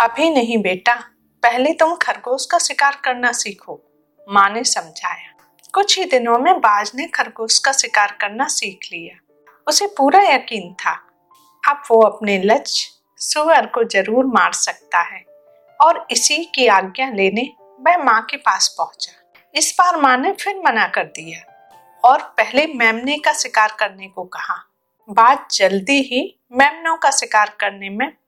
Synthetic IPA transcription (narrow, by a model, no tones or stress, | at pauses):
ɐbʱinɐɦĩbeːʈa | pɛɦlet̪ʊmkʰɐɾɡoːskasɪkaːɾkɐɾnasiːkʰoː | mãːnesɐ̃md͡ʒʱaːjaː | kʊt͡ʃʰɦid̪ɪnõmẽbaːd͡ʒnekʰɐɾɡoːskasɪkaːɾkɐɾnasiːkʰlijaː | ʊsepuːɾajɐkiːnt̪ʰa | ɐbʋoɐpnelɐt͡ʃ | sʊʋəɾkozɐɾuːɾmaːɾsɐk̚t̪aɦɛː | ɔːɾɪsikiaːɡjãleːne | mɛ̃ːmãkepaːspɐɦʊ̃t͡ʃa | ɪsbaːɾmãnefʰɪɾmɐnakɐɾd̪ija | ɔːɾpɛɦlemɛ̃ːmnekasɪkaːɾkɐɾnekokɐɦã | baːt̪̚d͡ʒɐld̪iɦi | mɛːmnõkasɪkaːɾkɐɾnemẽ